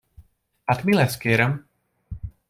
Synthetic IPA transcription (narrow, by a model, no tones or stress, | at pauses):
at̪milɛskɛɾəm